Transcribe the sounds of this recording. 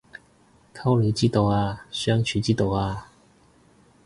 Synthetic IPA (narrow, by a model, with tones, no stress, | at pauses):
kʰa˥ʊlji˧˦t͡ɕi˥˩t̪o˨˩wa˧ɕɥɛ˥ŋt͡ɕʰy˨˧˦t͡ɕi˥˩t̪o˨˩ʊa˧˩